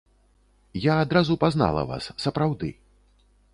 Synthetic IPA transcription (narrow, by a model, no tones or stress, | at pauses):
jaːd̪ɾazupazna̰lˠɐ̰va̰sːɐpɾawd̪ɨ̰